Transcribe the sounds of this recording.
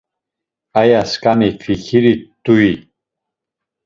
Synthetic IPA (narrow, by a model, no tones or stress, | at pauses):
ajaskamikʰfikʰiɾit̪ui